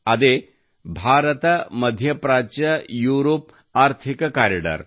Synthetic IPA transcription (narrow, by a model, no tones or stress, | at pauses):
ɐd̪e | bʱaːɾət̪ɐmɐd̪ʱjɐpɾaːt͡ʃɐjuɾoːp̚ | aːɾt̪ʰikkaːɾiɖə̰ɾ